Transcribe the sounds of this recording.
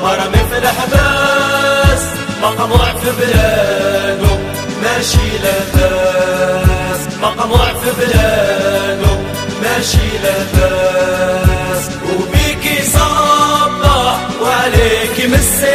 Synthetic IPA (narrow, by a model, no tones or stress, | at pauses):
mɑɾˤɑmɪθlħabaː | s | mɑqɑnuːʕfɪblaːnʊ | maʃilaba | s | mɑqɑnuːʕfɪblaːnʊ | maʃilaba | s | wfiːkisˤɑbːɑ | wʕaleːkimɪs